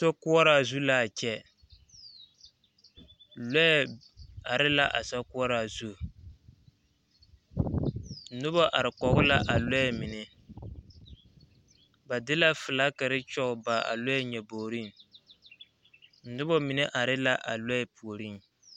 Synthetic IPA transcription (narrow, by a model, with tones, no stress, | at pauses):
to˦kʊ˦ɔ˦ɾa˦˨zu˦la˨t͡ʃɛ˦ | lɔ˦ɛ˨ | a˨ɾɪ˦la˦ʔa˨sa˦kʊ˦ɔ˦ɾa˨zu˦˨ | nʊ˦bɔ˦ʔa˨ɾɪ˨kɔ˨ɣʊ˦la˦ʔa˨lɔ˦ɛ˨mɪ˨nɪ˦ | ba˨dɪ˦la˦fɨ˨la˦ka˨ɾɪ˦t͡ʃɔ˦ʊ˨ba˨a̰˨lɔ˦ɛ˦ɲɛ˨boː˨ɾi˦n˨ | n̩˨˦nʊ˦bɔ˦mɪ˨nɛ˦ʔa˨ɾɪ˦la˦ʔa̰˨lɔ˦ɛ˦pu˨o˨ɾi˦n˨